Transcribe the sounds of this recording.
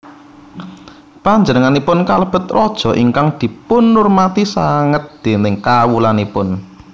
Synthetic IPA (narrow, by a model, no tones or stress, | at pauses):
paɲd͡ʒənəŋanipʊnkaləb̥ə̤t̪rɔd̥ʒ̥ɔ̤ʔiŋkaŋd̪̥i̤pʊnːʊrmat̪isaŋət̪̚d̪̥e̤nɪŋkawulanipʊn